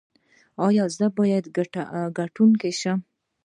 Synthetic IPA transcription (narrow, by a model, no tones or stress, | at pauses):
ɑjɑzd̪abɑjad̪ɡɡaʈunkeʃə